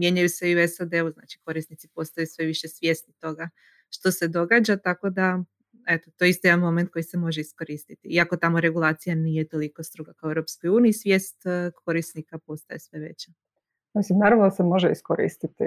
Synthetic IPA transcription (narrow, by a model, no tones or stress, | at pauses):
mje̞ɲajuse̞iuesad̪e̞uzna̰ːt͡ʃi̥ko̞ɾisnit̪sipo̞st̪ajusʋe̞ʋiʃe̞sʋʲje̞snit̪o̞ɡa | ʃt̪o̞se̞d̪o̞ɡaːd͡ʑat̪ako̞d̪a | e̞t̪ot̪ojeist̪ojed̪anmo̞me̞nt̪̚ko̞jise̞mo̞ʒeisko̞ɾiːst̪it̪iiako̞t̪amo̞ɾe̞ɡulˠaːt̪sijanije̞t̪o̞liko̞st̪ɾoɡakaoeɾopsko̞juːniːsʋje̞ːst̪kʰo̞ɾisnikapo̞st̪ajesʋe̞ʋe̞t͡ɕa | misimnaɾaʋnosemo̞ʒeiskoɾḭːst̪it̪i